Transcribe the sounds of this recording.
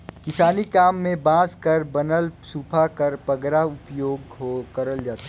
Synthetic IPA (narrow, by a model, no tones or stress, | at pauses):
kɪsaːnikaːmːẽbãːzkɐɾbɐnəlsuːpʰakɐɾpɐɡɾaʊpjoːɡɦokɐɾəld͡ʒaːt̪a